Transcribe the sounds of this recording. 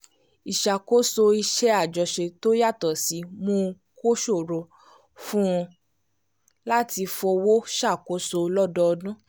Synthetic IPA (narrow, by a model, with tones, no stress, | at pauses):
i˨ʃa˨ko˦so˧i˧ʃɛ˦a˦˨d͡ʒɔ˨ʃe˧to˦ja˦˨tɔ˨si˨˦mõ˧ | ko˦ʃo˦˨ɾɔ˧ | fũ˦ɔ̃˧ | la˦ti˧fɔ˧wo˦ʃa˦˨ko˨˦so˧lɔ˦dɔ˧dũ˦